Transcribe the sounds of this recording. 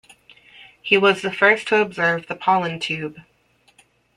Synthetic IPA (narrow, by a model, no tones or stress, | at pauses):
hiwʌzðɨfɜ˞stʰəəbzɜ˞vðəpʰɑlˠə̃ntʰʉb̥